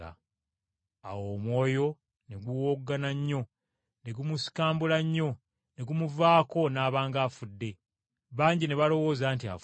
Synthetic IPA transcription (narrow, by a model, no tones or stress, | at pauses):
a̰ | a̰womwo̞ːjo̞ | ne̞ɡuwoɡːanaɲːo̞ | ne̞ɡumusi̥kaːmbulaɲːo̞ | ne̞ɡumuvaːko̞naːβaːŋɡaːfudːe̞ | βaːɲɟine̞βalo̞wo̞ːzaːntia̰f